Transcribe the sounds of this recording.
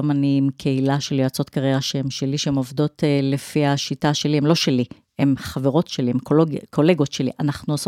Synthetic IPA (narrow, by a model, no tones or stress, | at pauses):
manimkʰe̞ilaʃelioat͡so̞tkaʁeʁaʃeemʃe̞liʃeemovdo̞tele̞fihaʃitaʃe̞lihemlo̞ʃeli | emχaveʁo̞tʃeliemkokʰo̞le̞ɡo̞tʃe̞lḭʔanaχnuos